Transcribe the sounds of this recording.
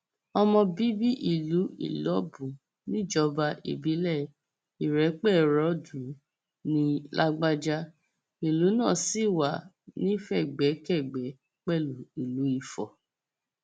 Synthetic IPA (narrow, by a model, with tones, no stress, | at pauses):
ɔ˧mɔ̃˧bi˦bi˦ʔi˦˨lu˨˦ḭ˨lɔ˨˦bũ˨ | nĩ˦d͡ʒɔ˧˦ba˧ʔḭ˨bi˨˦lɛ˦˨ | i˨ɾɛ˨˦k͡pɛ˦˨ɾɔ˨˦dũ˨˦ | nĩ˦lʔa˦ɡ͡ba˦d͡ʒa˦ | i˨lu˨˦nãː˦˨si˦˨wa˨ | nĩ˦fɛ˦˨ɡ͡bɛ˨˦kɛ˦˨ɡ͡bɛ˨˦ | k͡pɛ˦˨lu˨i˨lu˨˦i˦˨fɔ˨